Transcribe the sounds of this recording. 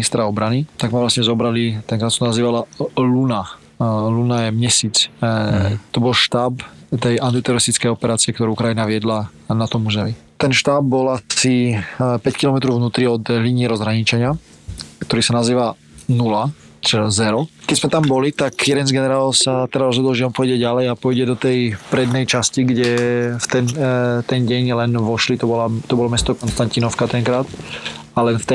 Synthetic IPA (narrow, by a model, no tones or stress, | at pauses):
nist̪ɾaɔbɾanit̪aɡmaʋlasɲɛzɔbɾalit̪ɛŋkɾaːsɔnaziːʋalaluna | lunajɛmɲɛsiːt͡s | t̪ɔbɔlʃt̪aːpt̪ɛjant̪it̪ɛɾɔɾist̪it͡skɛjɔpɛɾaːt͡sɪɛkt̪ɔɾuːkɾajinaʋɪɛd̪la | nat̪ɔmuʒɛʋit̪ɛnʃt̪aːb̚bɔlasipɛckilɔmɛt̪ɾɔʊvnuːt̪ɾiɔd̪liɲɪːɾɔzɦɾaɲit͡ʃɛɲɪa | kt̪ɔɾiːsanaziːʋa | nula | t͡ʃɛazɛɾɔkɛɟzmɛt̪ambɔlit̪akjɛd̪ɛnzɡɛnɛɾaːlsat̪ɛɾaɾɔzɦɔd̪ɔlʒɛɔmpɔjɟɛɟalɛjapɔjɟɛd̪ɔt̪ɛjpɾɛd̪̚nɛjt͡ʃasciɡɟɛft̪ɛnt̪ɛnɟɛɲlɛnʋɔʃlit̪ɔbɔlat̪ɔbɔlɔmɛst̪ɔkɔnst̪ancinɔʊkat̪ɛŋkɾaːt̪alɛnft̪ɛ